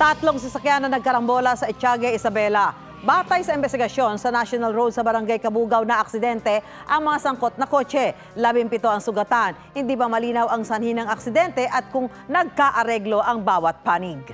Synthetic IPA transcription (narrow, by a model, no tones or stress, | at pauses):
t̪ɐt̪loŋsɐsɐkjanːɐŋnɐɡ̚kɐɾɐmbo̞ːlɐsɐʔɪt͡ʃaːɡɛʔɪsɐbɛlɐ | baːt̪ɐjsɐɪmbɛst̪ɪɡɐʃjo̞nsɐnaʃjonɐlɾowd̪sɐbɐɾɐŋɡajkɐbuːɡɐwnɐʔɐk̚sɪd̪ɛnt̪ɛ | ʔɐŋmɐŋasɐŋko̞t̪̚nɐko̞ːt͡ʃɛ | laːbɪmpɪt̪o̞ʔɐŋsʊɡɐt̪anhɪnd̪iːbɐmɐliːnɐwɐŋsɐnhinɐŋɐksɪd̪ɛnt̪ɛʔɐt̪̚kʊŋ | nɐɡ̚kaʔɐɾɛɡlo̞ʔɐŋbaːwɐt̪̚paːnɪɡ̚